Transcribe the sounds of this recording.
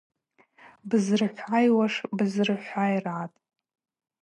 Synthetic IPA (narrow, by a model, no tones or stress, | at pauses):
bɨzrɨħʷajwaʂbɨzrɨħʷajrʕatʼ